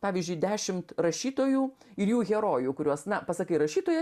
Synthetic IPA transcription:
pɑːʋʲiːzʲd͡ʒʲʊɪd̪ʲæːʃʲɪmt̪ɾɐʃʲiːt̪oːjuː | ɪɾjuːɣʲɛɾoːjuːkʊɾʲuɔsnɐpɐsɐkɐɪɾɐʃʲiːt̪oːjɛ

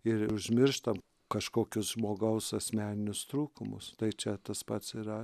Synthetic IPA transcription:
ɪɾʊʒʲmʲɪɾʃt̪ɐm | kɐʃkoːkʲʊsʒmoːɡɐʊsɐsʲmʲæːnʲɪnʲʊst̪ɾuːkʊmʊst̪ɐɪt͡ʃʲɛt̪ɐspɐt̪siːɾɐ

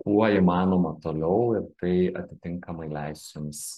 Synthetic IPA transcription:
kuɔimɑːnoːmɐt̪oːlʲɛʊɪɾt̪ɐɪɐ̰t̪ʲɪt̪ʲɪŋkɐmɐɪlʲæɪsʲt͡ʃʲɪms

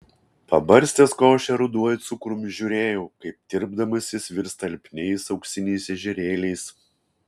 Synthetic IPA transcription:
pɐbɐɾʲsʲt̪ʲɛːskoːʃʲɛɾʊd̪uɔjɪt̪sʊkɾʊmʒʲʊɾʲeːjɛʊkɐɪp̚d̪ʲɪɾbd̪ɐmɐsʲɪsʋʲɪɾst̪ɐlʲpʲnʲɛɪsɐʊksʲɪnʲɛɪsʲɛʒʲɛɾʲeːlʲɛɪs

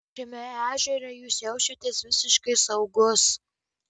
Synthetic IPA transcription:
kɾʲɪmʲɛæːʒʲɛɾʲɛjuːsjɛʊʃʲɛt̪ʲeːsʋʲɪsʲɪʃkɐɪsɐʊɡʊs

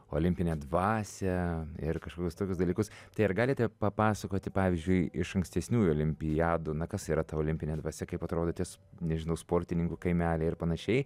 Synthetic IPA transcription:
o̰ːlʲɪmʲpʲɪnʲeɛd̪ʋɑːsʲɛɪrkɐʃkoːkʲʊst̪oːkʲʊs̬d̪ɐlʲiːkʊst̪ɐɪɐɾɡɑːlʲɪt̪ʲɛpɐpɑːsɐkoːt̪ʲɪpɑːʋʲɪzʲd͡ʒʲʊɪɪʃɐŋksʲt̪ʲɛsʲnʲuːjoːlʲɪmʲpʲɪjæːd̪ʊnɐkɐsiːɾɐt̪ɐoːlʲɪmʲpʲɪnʲɛːd̪ʋɐsʲɛkɐɪpɐt̪ɾoːd̪oːt̪ʲiɛsnʲɛʒʲɪnɐʊspoːɾʲt̪ʲɪnʲɪŋkʊkɐɪmʲæːlʲɛɪɪɾpɐnɐʃʲɛɪ

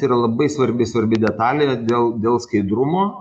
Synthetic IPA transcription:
iːɾɐlˠɐbɐɪsʋɐɾʲbʲɪsʋɐɾʲbʲɪdʲɛt̪ɑːlʲejɛd̪ʲeːlˠd̪ʲeːlˠskɐɪd̪ɾʊmoː

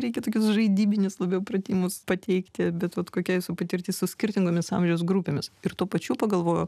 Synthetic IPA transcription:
ɾʲɛɪkʲɛt̪oːkʲʊsʒɐɪd̪ʲiːbʲɪnʲɪslˠɐbʲɛʊprɐt̪ʲiːmʊspɐt̪ʲɛɪkt̪ʲɪbʲɛt̪ʋɐt̪koːkʲɛɪsʊpɐt̪ʲɪɾʲt̪ʲeɪsʊsʲkʲɪrʲt̪ʲɪŋɡoːmʲɪsɑ̰mʲʒʲɛʊs̬ɡɾupʲeːmʲɪsɪrt̪uːpɐt͡ʃʲuːpɐɡɐlˠʋoːjo

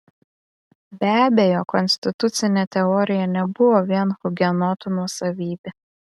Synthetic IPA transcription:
bʲæːbʲejoːkɔnʲsʲt̪ʲɪt̪ʊt̪sʲɪnʲeːt̪ʲɛɔːɾʲɪjɛnʲɛbʊʋoːʋʲiɛnfʊɡʲɛnoːt̪uːnuɔsɐʋʲiːbʲe

